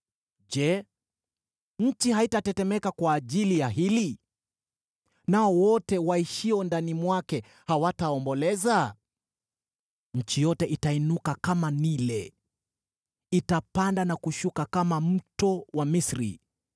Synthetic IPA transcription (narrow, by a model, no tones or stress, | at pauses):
d͡ʒɛ | ɲ̩t͡ʃihaitatɛtɛmɛkakwaːʄilijaɦili | naɔwɔtɛwaiʃiɔndanimwakɛ | hawataɔmbɔlɛza | ɲ̩t͡ʃijɔtɛʔitainukakamanilɛ | itapandanakuʃukakamam̩tɔwamisɾḭ